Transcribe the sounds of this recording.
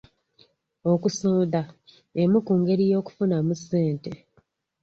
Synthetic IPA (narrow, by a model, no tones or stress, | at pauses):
okusoːnda | emukuŋɡe̞ɾijo̞ːku̥funamuseːnte̞